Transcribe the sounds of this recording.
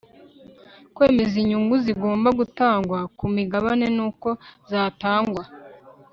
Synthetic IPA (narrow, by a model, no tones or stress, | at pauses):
kwe̞ːme̞ziɲuŋɡuziɡo̞ːmbaɡutaːŋɡwakumiɡaβane̞nuːko̞zaːtaːŋɡwa